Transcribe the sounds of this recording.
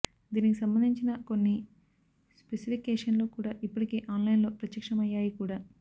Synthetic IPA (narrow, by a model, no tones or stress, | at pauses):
d̪iːnikisɐmbɐnd̪ʱiɲt͡ʃinɐko̞nːi | spesipikɛːʂɐnlo̞ːkuːɽaːʔipːuʈikeːʔaːnlɐjinlo̞ːpɾɐt̪jɐkʂɐmɐjːaːjikuːɽaː